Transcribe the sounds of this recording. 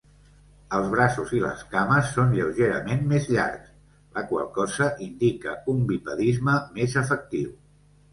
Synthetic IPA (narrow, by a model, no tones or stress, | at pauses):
əlˠzβ̞ɾasuzilə̰skaməsːonʎəwʒeɾə̰menmezʎa̰ɾks | ləkwa̰lˠkɔzəʔind̪ikə̰umbipəðizməmezəfək̚t̪iw